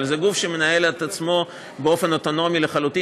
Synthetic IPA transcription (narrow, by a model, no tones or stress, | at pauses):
lzeɡufʃe̞me̞naje̞let̪at͡smo̞ | beo̞fe̞noto̞no̞mileχaluti